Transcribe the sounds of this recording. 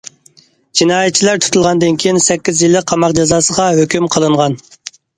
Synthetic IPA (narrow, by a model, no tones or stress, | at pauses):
d͡ʒinɑːjɛt̪̚t͡ʃʰilæɾt̪ʰu̥t̪ʰulˠʁɑnd̪ɨnkʲʰijinsɛkʲːizjilːɪk̚ʲqʰɑmɑqd͡ʒɑzɑːsəʁɑɦøkʲymqʰəlˠɨɴʁɑn